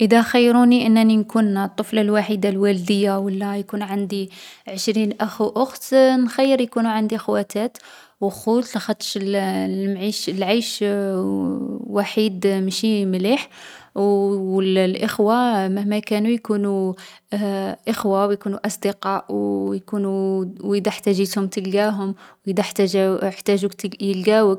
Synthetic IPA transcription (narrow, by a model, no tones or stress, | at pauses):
ʔəd̪æxajːɾuniʔənːæninkunt̪ˤːəflɑlwaħid̪alwæld̪əjːawəlːæjkunʕand̪iʕəʃɾinʔəxuʔʊxt̪nxæjːəɾjkunuʕand̪ixwæt̪æt̪ | wəxut̪lxɑt̪ːʃlmʕiʃlʕajʃ | waħid̪mʃimliħ | əllʔəxwamæhmækænujkunu | ʔəxwawjkunuʔɑsˤd̪əqɑʔwjkunud̪æħt̪æʒit̪hʊmt̪əlɡæɦʊmwjid̪æħt̪æʒaəħt̪æʒujəlɡæwək